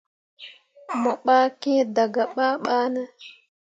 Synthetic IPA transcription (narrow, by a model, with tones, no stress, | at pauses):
mɔ˨ɓaː˦kɛ̃˦da˨ɡa˨ɓaː˦ɓaː˦nɛ˦